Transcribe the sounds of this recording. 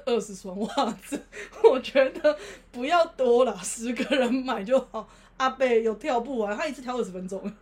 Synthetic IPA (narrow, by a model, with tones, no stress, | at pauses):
ə˥˩ʂɻ̩˧˥swa˧˦nwa˥˧d͡z̩˨˩wɔ˨˩t͡ɕɥɛ˧˥d̪ə˨pu˧˥jɑ˥˩ʊt̪wɔ˦˥lə˨sɹ̩˧˥˦ɡə˨˩ɻə˨˦nma˨˩ɪt͡ɕjo˥˩ʊxɑ˨˦ʊ | a˥˧pe˥˩ɪjo˨˩ʊt̪ʰjɑ˥˧ʊp̬u˥˩wa˧˦nʰa˥˦i˧t͡sʰs̩ʰ˥t̪ʰjʊə˥˩ʂɻ̩˧fə˦nt͡so˦ŋ